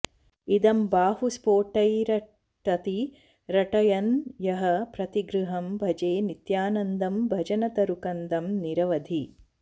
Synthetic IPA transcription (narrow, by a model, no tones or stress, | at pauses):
id̪ɐmbaːɦuspoːʈɐjɾɐ | ʈɐt̪i | ɾɐʈɐjɐnjɐɦɐpɾɐt̪iɡɾuɦɐmbʱɐd͡ʒeːnit̪jaːnɐnd̪ɐmbʱɐd͡ʒɐnɐt̪ɐɾukɐnd̪ɐmniɾɐʋɐd̪ʱi